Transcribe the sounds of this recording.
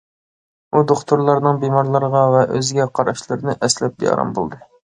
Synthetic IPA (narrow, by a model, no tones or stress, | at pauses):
ud̪oχt̪ʰuɾlˠɑɾnɨŋbemɑɾlˠɑɾʁɑvɛʔøzɡʲɛqʰɑɾɑʃlˠɨɾɨnɨʔɛslɛp̚d̪ḛjɑ̰ɾɑ̰mbo̰lˠd̪ɨ